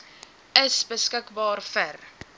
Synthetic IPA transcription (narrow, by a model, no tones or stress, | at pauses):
əsbəskəkbɑːrfər